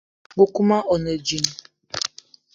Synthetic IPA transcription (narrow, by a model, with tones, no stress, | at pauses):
ŋo˨ku˦ma˦ʔɔ˨ne˨d͡ʒi˨n˨